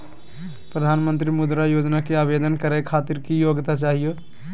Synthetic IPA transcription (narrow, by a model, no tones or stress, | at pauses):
pɾəd̪ʱanmənt̪ɾimud̪ɾajod͡ʒnakeabed̪ənkəɾɛkʰat̪iɾkijoɡt̪at͡ʃaɦijo